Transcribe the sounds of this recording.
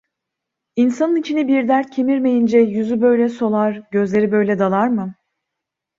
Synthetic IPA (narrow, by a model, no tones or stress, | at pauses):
insanɯnit͡ʃʰinibiɾd̪æɾt̪̚cʰe̞miɾme̞jind͡ʒɛjyzybø̞jlʲɛso̞lˠaɾɟø̞zlʲe̞ɾibø̞jlʲɛd̪alˠaɾmɯ